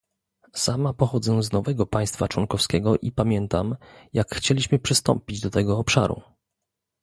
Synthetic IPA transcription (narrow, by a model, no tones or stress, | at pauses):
samapɔxɔd̪zɛznɔvɛɡɔpaj̃st̪fat͡ʂwɔŋkɔfskʲɛɡɔʔipamʲjɛnt̪amjakxt͡ɕelʲiɕmɘpʂɘst̪ɔ̰mpʲid͡ʑd̪ɔt̪ɛɡɔːpʂa̰ɾṵ